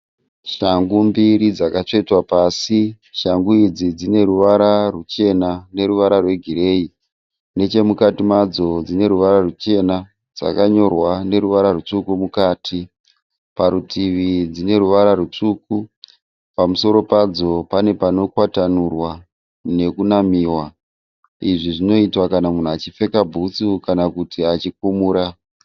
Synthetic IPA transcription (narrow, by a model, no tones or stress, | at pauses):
ʃaŋɡumbiɾid͡zakat͡ʂe̞itwapasi | ʃaŋɡuid͡zid͡zine̞ɾuʋaɾarut͡ʃe̞nane̞ɾuʋaɾarwe̞ɡʱire̞i | ne̞t͡ʃe̞mukatimad͡zo̞d͡zine̞ɾuʋaɾarut͡ʃe̞na | d͡za̰kaɲo̞rwane̞ɾuʋaɾarut͡sukumukaːtʰi | paɾutʰiʋid͡zine̞ɾuʋaɾaɾut͡ʂuku | pamuso̞ɾo̞pad͡zo̞pane̞pano̞kwatanurwa | ne̞kunamiːwa | iʐiʐino̞itwakanamun̤uat͡ʃife̞kabʱut͡sukanakutiat͡ʃik̚umuːɾa